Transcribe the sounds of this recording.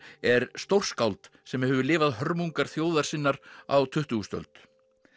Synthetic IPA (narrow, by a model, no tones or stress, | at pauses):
ɛɾst̪owr̥skawlt̪ | sɛmhɛːvʏlɪːvaðɦœɾmuŋkaɾ̥θjoːwðaɾ̥sɪnːaɾawt̪ʰʏht̪uɣst̪œ̰lt̪